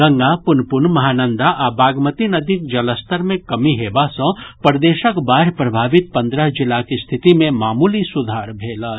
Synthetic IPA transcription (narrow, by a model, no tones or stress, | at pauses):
ɡɐ̃ŋɡapʊnpʊɳmɐɦaːnə̃nd̪aʔabaːɡmət̪inɐd̪ʱikd͡ʒɐləst̪əɾmẽkɐmiɦeːbasə̃pəɾd̪eːʃəkbaːɾjpɾɐbʱaːʋɪt̪̚pɐ̃nd̪ɾəɦd͡ʒɪlakist̪ʰɪt̪imẽmaːmuːlisʊd̪ʱaːɾbʱeːla